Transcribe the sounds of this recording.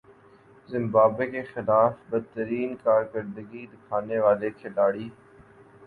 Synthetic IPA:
zɪ̃mbaːbekexɪlaːfbəd̪̚t̪ːəɾiːnkaːɾkəɾd̪əɡid̪ɪkʰaːneʋaːlekʰɪlaːɽiː

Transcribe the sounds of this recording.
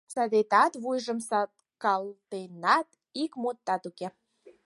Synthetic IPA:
sɑd̪et̪ɑt̪βujʒə̆msɑt̪ | kɑlt̪enɑt̪ | ikmut̪ːɑt̪uke

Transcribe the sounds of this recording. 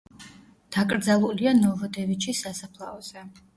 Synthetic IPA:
d̪̥akʼɾd̪zalˠulianɔvɔd̪ɛvit͡ʃʰisasapʰlˠaɔz̥ɛ

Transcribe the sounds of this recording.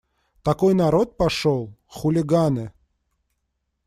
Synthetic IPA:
t̪ɐkojnɐɾot̪̚pɐʂolˠxʊlʲɪɡanɨ

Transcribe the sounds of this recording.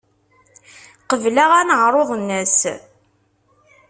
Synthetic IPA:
qəvlaʁænəʁɾˤoʁnːəs

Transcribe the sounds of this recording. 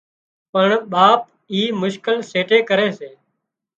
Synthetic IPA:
pəɳɓaːp̚ | iːmʊʃkɪlseːʈeːkəɾeːseː

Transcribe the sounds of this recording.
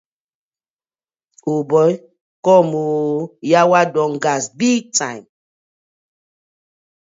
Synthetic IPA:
obɔj | kɔmojawadɔ̃ŋɡasbitãm

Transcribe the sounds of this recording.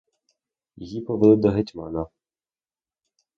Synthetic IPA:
jɔjipɔʋɪlˠɪd̪ɔɦetʲmɑnɐ

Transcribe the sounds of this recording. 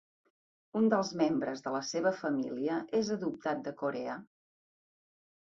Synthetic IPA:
und̪əlˠzmembɾəzðələseβ̞əfəmiliəʔezəðup̚t̪at̪̚d̪əkoɾeə

